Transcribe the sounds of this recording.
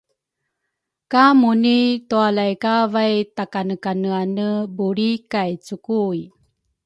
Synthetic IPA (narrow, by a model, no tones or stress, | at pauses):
kamunitualajkavajtakanəkanəanəbuɾikajt͡sukui